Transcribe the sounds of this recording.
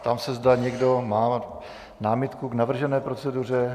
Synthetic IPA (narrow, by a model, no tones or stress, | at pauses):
t̪amsɛzd̪aɲɛɡdomaː | naːmɪt̪kuɡnavr̩ʒɛnɛːpɾot͡sɛdur̝ɛ